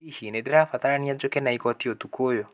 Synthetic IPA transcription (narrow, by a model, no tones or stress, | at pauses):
ihinedeɾafatananiad͡ʒokɛnaikɔtiotukojo